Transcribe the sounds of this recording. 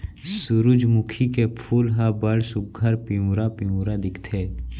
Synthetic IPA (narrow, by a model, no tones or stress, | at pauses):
sʊɾʊd͡ʒmʊkʰikepʰuːlɦabəɽsʊɡ̚ʱɐɾpiɾapiuɾad̪ɪkʰt̪ʰeː